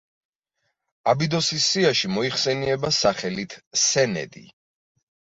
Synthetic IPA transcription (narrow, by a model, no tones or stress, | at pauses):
abid̪ɔsisːiaʃimɔiχsɛniɛbasaχɛlit̪ʰsɛnɛ̰d̪ḭ